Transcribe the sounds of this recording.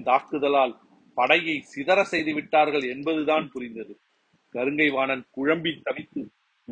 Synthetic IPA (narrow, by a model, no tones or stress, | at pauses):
t̪aːɾkɯðɐlaːl | pɐɽɐjɐɪsɪðɐɾɐsɛjðɯʋɪʈːaːɾɣɐɭɛnbɐðɯðaːnpʊɾɪnd̪ɐðɯ | kɐɾɯŋɡɐɪʋaːnɐnkʊɻɐmbɪnt̪ɐʋɪt̪ːɯ